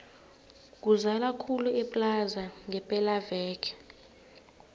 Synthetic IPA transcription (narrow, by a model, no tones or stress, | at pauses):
k̬ʼuzalakʰuluɛpʼlazaŋɛpʼɛlavɛːkʰɛ̥